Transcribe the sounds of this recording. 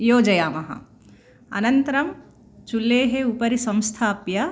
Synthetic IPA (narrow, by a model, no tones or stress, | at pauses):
joːd͡ʒɐjaːmɐɦɐ̰̃ | ɐ̰nɐnt̪ɾɐm | t͡ʃulːeːɦeupɐɾisɐ̃mst̪ʰaːpjɐ